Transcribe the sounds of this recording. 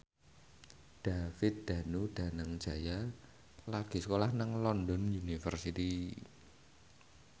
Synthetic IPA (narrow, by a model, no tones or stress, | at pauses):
d̥afɪt̪̚d̪̥a̤nud̪̥ä̤naŋ̥ʒ̥a̤ja | laɡ̥i̤səkolahnaŋlɔndɔnjunifərsit̪i